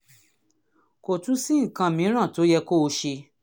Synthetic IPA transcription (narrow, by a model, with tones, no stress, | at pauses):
ko˨tũ˨˦si˦ŋ̩˨kã˧mĩ˨˦ɾ̃ã˦˨to˨˦jɛ˧ko˦˧ʃe˧